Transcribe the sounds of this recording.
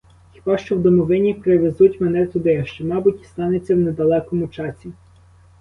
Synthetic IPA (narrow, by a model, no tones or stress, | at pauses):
xʲi̥bɑʃt͡ʃɔwd̪ɔmɔʋɪnʲipɾɪʋezutʲmɛnɛt̪ʊd̪ɪɐʃt͡ʃɛmɑbʊtʲi̥st̪ɑnet͡sʲːɐwned̪ɐlˠɛkɔmʊt͡ʃɑsʲi